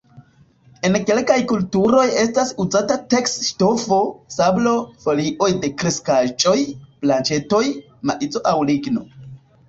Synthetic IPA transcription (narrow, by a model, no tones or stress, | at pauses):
e̞nke̞lkajkultuɾo̞je̞stasuzatate̞ksʃto̞fo̞sablo̞fo̞liʔo̞jde̞kɾeskad͡ʒo̞jplant͡ʃe̞to̞j | maʔid͡zo̞ʔawliɡno̞